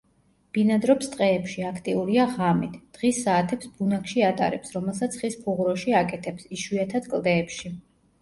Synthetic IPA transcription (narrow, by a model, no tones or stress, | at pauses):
b̥inad̪ɾɔpst̪ʼqʼɛːpʃiakʰt̪ʼiuɾiaʁamit̪ʰd̪̥ʁisːaːt̪ʰɛpsbunakʃiat̪ʼa̰ɾɛpsɾɔmɛlˠsat̪sʰχispʰuʁɾɔʃiakʼɛt̪ʰɛpsiʃwiat̪ʰad̪̥kʼlˠd̪ɛːpʃi